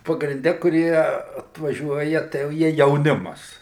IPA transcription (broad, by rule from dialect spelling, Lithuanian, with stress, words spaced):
pɐɡrʲɪnʲˈdʲɛ kʊˈrʲiɛ ɐtʋɐˈʒʲuɔjɛ tɐɪ jɛʊ ˈjiɛ jɛʊˈnʲɪmɐs